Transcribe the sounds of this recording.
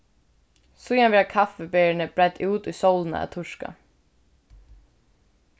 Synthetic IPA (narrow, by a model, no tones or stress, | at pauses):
sʊjanvɛːakʰafɛbeːɳəbɾad̪uːt̪ujsowlna̰æ̰t̪ʰʊʂka̰